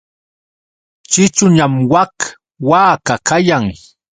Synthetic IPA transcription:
t͡ʃɪt͡ʃʊɲamwak | waːkakajaŋ

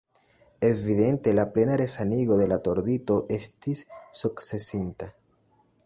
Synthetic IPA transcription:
e̞viðe̞nte̞laple̞naɾe̞saniɡo̞ðe̞lato̞ɾdito̞ʔe̞stisːukt͡sse̞sinta

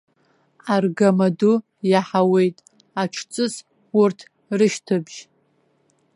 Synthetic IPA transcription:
arɡamadu | jaħawe̞jtʼ | aʈ͡ʂʰt͡sʼɨs | urtʰ | rɨʃtʰɨbʒ̥

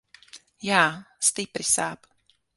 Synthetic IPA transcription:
jaːst̪ijpɾɪsaːp

